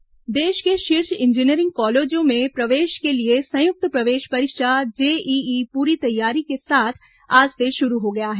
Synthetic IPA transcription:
d̪eːʃkeʃɪɾʃɪ̃nd͡ʒɪniəɾɪ̃ŋɡ̚kɔːleːd͡ʒõmẽpɾɐʋeːʃkeliesɐ̃jʊk̚t̪pɾɐʋeːʃpɐɾɪkʃad͡ʒeːiiːpuːɾit̪ɐjːaːɾikesaːt̪ʰ | aːd͡ʒseʃʊɾuɦoɡɐjaɦɛː

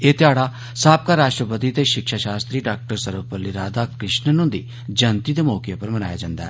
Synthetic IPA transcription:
eːt̪ɪaːɽaː | saːp̚kaːɾaːʃʈɾəpət̪iːt̪eːʃɪkʃaːʃaːst̪ɾiːɖaːk̚ʈəɾsəɾʋpəlːiɾaːd̪aːkɾɪʃnənũːd̪ḭː | d͡ʒənt̪iːd̪eːmɔːkjaːpəɾmənaːja̰ːd͡ʒãːnd̪a̰ːɦɛ̰ː

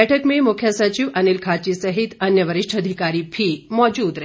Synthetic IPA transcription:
ɛʈʰəkmemukʰjasət͡ɕiʋʔənilkʰat͡ɕisəɦit̪ənjəʋəɾiʂʈʰəd̪ʱikaɾiːpʰiːmɔd͡ʑuːd̪ɾə

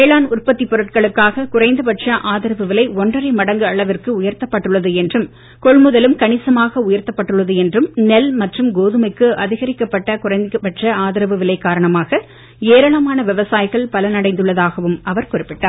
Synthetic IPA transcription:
ʋeːɭaːnʊrpɐt̪ːipːɔɾɯʈ̚kɐɭɯkːaːɣɐkʊrɐɪnd̪ɐpɐʈrɐʔaːðɪɾɐʋɯʋɪlɐɪɔndrɐrɐɪmɐɽɐŋɡɯɐɭɐʋɪrkɯʊjɐɾt̪ɐpːɐʈːɯɭːɐðɯɛndrɯm | kɔɭmɯðɐlɯmkɐɳɪsɐmaːɣɐʊjɐɾt̪ːɐpːɐʈːɯɭːɐðɯɛndrɯmnɛlmɐʈrɯmɡoːðɯmɐɪkːɯʔɐðɪɣɐɾɪkːɐpːɐʈːɐkʊrɐɪnd̪ɪpɐʈrɐaːðɪɾɐʋɯʋɪlɐɪkːaːɾɐɳɐmaːɣɐ | eːɾɐɭɐmaːnɐʋɛʋɐsaːjɪɣɐɭpɐlɐnɐɽɐɪnd̪ɯɭːɐðaːɣɐʋɯmɐʋɐɾkʊrɪpːɪʈːaːɾ

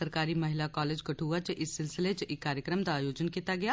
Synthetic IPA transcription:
əɾkaːɾimɐɦɪlakaːleːd͡ʒɡɐʈʰuːat͡ʃʔɪsːɪlsɪlet͡ʃɪkːaːɾjəkɾəmd̪aːjoːd͡ʒənkiːt̪aɡɐja

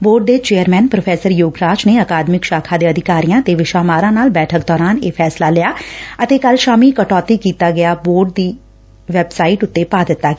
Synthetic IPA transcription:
boːɖ̚d̪eːt͡ʃeːəɾmɛːnpɾopʰɛːsəɾjoːɡɾaːd͡ʒneːəkaːd̪mɪkʃaːkʰaːd̪eːəd̪ʱɪkaːɾijãːt̪eːʋɪʃaːmaːɾãːnaːlbɛːʈʰək̚d̪ɔːɾaːneːpʰɛːslaːlɪjaːət̪eːkəlʃaːmiːkəʈɔːt̪iːkiːt̪aːɡɪjaːboːɾɖ̚d̪iː | ʋɛbsaːiʈʊt̪ːeːpaːd̪ɪt̪ːaːkː

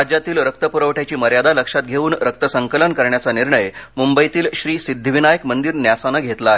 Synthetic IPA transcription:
ad͡ʑjat̪iːlɾək̚t̪əpuɾəʋʈʰjat͡ɕiːməɾjad̪aləkʂat̪̚ɡʱeuːnɾək̚t̪əsəŋkələnkəɾɳjat͡saniɾɳəjmumbəjt̪iːlɕɾiːsid̪ʱːʋinajəkmənd̪iːɾnjasanaɡʱet̪laːɦe

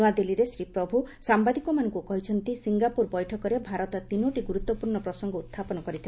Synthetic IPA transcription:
ad̪eliɾesɾipɾɔbʱusambad̪ikɔmanɔŋkukɔɦit͡ʃʰɔnt̪isiŋɡapuɾbɔjʈʰɔkɔɾebʱaɾɔt̪ɔt̪inoʈiɡuɾut̪ːɔpuɾɳɔpɾɔsɔŋɡɔut̪ʰːapɔnɔkɔɾit̪ʰi

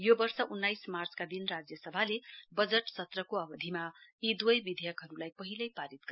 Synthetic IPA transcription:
jobʌrsʌʔunːajsmart͡skad̪inrad͡zjʌsʌbʱalebʌd͡zʌʈsʌt̪rʌkoʌbʌd̪ʱimaid̪wʌjbid̪ʱjʌkɦʌɾulajpʌɦilʌjpaɾit̪̚ɡʌ

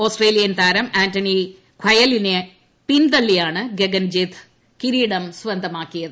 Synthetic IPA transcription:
oːsʈreːlijɐnt̪aːɾɐmaːntɐni | kʰwɐjɐline | pind̪ɐlːijaːɳɨɡeɡɐnd͡ʑit̪ʰ | kiɾiːɽɐmsʋɐnd̪ʱɐmaːkːijɐðɨ

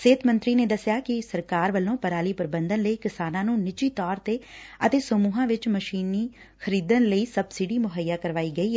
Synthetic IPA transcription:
seːt̪mə̃nt̪ɾiːneːd̪əsɪjaːkɪsəɾkaːɾʋəlõːpəɾaːliːpəɾbənd̪ənləiːkɪsaːnãːnũːnɪt͡ʃiːt̪ɔːɾt̪eːət̪eːsəmuːɦãːʋɪt͡ʃməʃiːniː | xʰəɾiːd̪ənləiːsəbsɪɖiːmʊɦəjːaːkəɾʋaːiːɡəiːɦɛ

